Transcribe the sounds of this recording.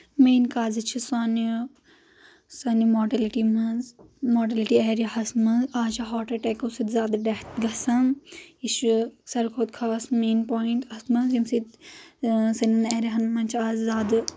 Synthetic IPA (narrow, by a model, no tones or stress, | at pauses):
meːnkaːzit͡ʃʰisaːni | sɐnimoːʈɐliʈimɐnzmoːʈ̬ɐliʈiɛːɾɐɦɐsmɐzaːt͡ʃʰɐɦoːʈɐʈekosit̪zaːd̪ɖɐɦt̪ɡɐsɐmiʃsɐɾkʰoːt̪̚kʰaːsmeːnpoːiɳʈɐsmɐzimsit̪ | sɐnɐnɛːɾiɦɐnmɐnt͡ʃʰaːzzaːd̪